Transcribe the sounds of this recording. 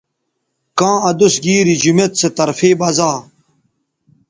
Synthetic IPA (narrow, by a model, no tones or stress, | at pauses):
kãːɐd̪usɡiːɾid͡ʑumet̪set̪ɐɾfeːbɐzaː